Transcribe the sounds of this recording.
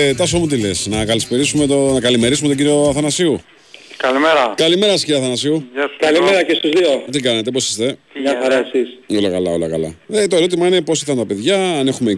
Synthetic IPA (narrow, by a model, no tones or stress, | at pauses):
t̪ɐsomut̪̬ile̞snɐkɐlispeɾisumet̪onɐkɐlime̞ɾisumoɟiɾio̞ɐθɐnɐsiu | kɐlimeɾɐkɐlime̞ɾɐsi̥cioɐθɐnɐsiukalimeɾɐcest̪uzðiot̪ikɐnet̪e̞po̞si̥st̪e̞aθɐɾɐesisolɐkɐlɐ̰o̰lɐ̰kɐ̰lɐ̰et̪o̞eɾo̞t̪imɐine̞po̞siθɐnt̪ɐpe̞ðʝɐɐnexume